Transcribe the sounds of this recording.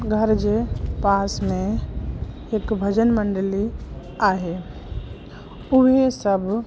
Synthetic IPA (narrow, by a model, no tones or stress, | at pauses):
ɡʱəɾd͡ʒepasmẽ | ekbʱəd͡ʒənməɳɖəli | aːɦe | uɦesəb